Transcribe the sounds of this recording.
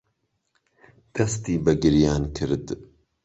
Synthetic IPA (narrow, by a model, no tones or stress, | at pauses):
d̪̥ɐst̪iːbɐɡɨɾjaːnkʰɨɾd̪